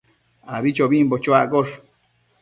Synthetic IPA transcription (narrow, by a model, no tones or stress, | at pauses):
aβit͡ʃoβĩmbot͡ʃoakoʂ